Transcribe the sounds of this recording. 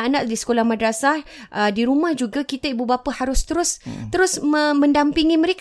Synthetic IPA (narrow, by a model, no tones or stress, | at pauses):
ʔanãʔdisə̥kolahmãdɾasa | ʔədiɾumahd͡ʒuɡakit̪aibubapahaɾʊst̪əɾʊst̪əɾʊsməmə̃ndampiŋimə̃ɾek